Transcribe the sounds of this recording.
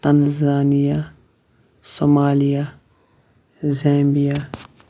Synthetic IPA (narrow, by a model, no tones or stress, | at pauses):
t̪ɐnzaːnija | somaːlija | zẽːmbijaː